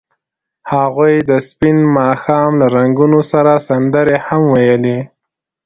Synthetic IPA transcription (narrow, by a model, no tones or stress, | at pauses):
haɣujd̪əspɪnmɑxɑmlaɾaŋɡunosaɾasand̪əɾehamwajəli